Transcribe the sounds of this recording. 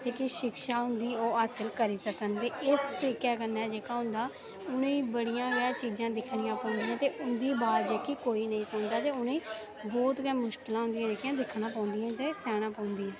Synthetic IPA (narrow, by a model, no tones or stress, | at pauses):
t̪eːkɪʃɪkʃaːɦʊnd̪iːoːaːsəlkəɾiːsəkənt̪eːʔɪst̪əɾiːkɛːkənːɛːd͡ʒeːkaːɦʊ̃nd̪aː | ʊnẽiːbəɽijãːɡɛːt͡ʃiːd͡ʒãːd̪ɪkʰɽijãːpãːnd̪iːãːt̪eːʔʊnd̪iːbaːɾd͡ʒeːkiːkoːiːnəĩːsʊnd̪aːt̪eːʊnẽː | bɔːt̪ɡɛːmʊʃkɪlãːɦʊ̃nd̪ijãːd͡ʒeːkjãːd̪ɪkʰɽãːpaːnd̪ijãːt̪eːsɛːɽ̃ãːpãːnd̪iːɛ̃ː